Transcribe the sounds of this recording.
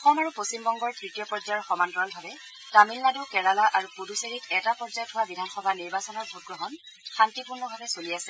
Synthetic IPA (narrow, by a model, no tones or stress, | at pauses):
ɔxɔmaɹupostimbɔŋɡɔɹtɹitijɔpɔɹzajɔɹxɔmantɔɹɔlbʱabɛ | tamilnadukɛɹalaʔaɹupoduseɹitɛtapɔɹzajɔtʰɦowabidʱanxɔbʱaniɹbasɔnɔɹbʱuɡɹɔɦɔn | xantipuɹnɔbʱabɛsoliasɛ